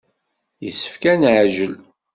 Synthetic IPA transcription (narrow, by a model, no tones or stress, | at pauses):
jəsːə̥fkænʕʒəl